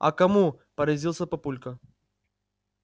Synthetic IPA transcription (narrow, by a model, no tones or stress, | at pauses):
ɐ̰kɐmu | pɐɾɐzʲilˠsʲəpɐpulʲkɐ